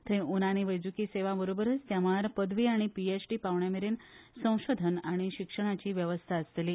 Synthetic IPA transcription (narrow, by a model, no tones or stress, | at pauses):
t̪ʰeʔunañiʋəjd͡zukiːseʋabəɾobəɾəst̪jaʋaɾpəd̪ʱʋiːaɽ̃ipiesʈiːpaʋɳjameɾensə̃w̃ɕod̪ʱənaɽ̃iɕikʂəɽ̃at͡ɕiːʋjəʋəst̪ʰaəsleliː